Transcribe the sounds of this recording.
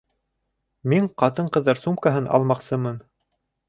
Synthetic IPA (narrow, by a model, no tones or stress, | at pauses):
miŋqɑt̪̬ɤɴqɤ̆ðːɑɾsumkaɦɤnɑ̰lˠmɑqsɤmɤn